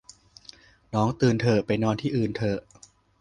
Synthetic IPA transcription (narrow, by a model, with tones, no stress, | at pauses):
nɔː˦˥ŋt̪ɯː˧nt̪ʰɤː˧pa˧jnɔː˧nt̪ʰiː˥˩ʔɯː˨˩nt̪ʰɤː˧˩